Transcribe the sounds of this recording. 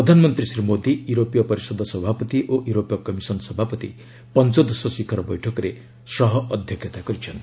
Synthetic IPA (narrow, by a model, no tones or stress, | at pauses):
pɾɔd̪ʱanmɔnt̪ɾisɾimod̪ijuɾopijɔpɔɾisɔd̪ʱɔsɔbʱapɔt̪iʔoʔjuɾopjɔkɔmisɔnsɔbʱapɔt̪ḭ | pɔnt͡ʃɔd̪ɔsɔsikʰaɾɔbɔjʈʰɔkɔɾe | srɔɦɔʔɔd̪ʱjɔkʰjʌt̪aɡʌɾit͡ʃʰʌn